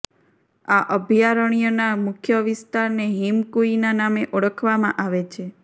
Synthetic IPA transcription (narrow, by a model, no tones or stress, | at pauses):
aʔəbʱjaɾəɽ̃ijonamʊkʰjəʋist̪aɾneɦimkuinanameʔoɽəkʰʋamãʔaʋet͡ʃʰe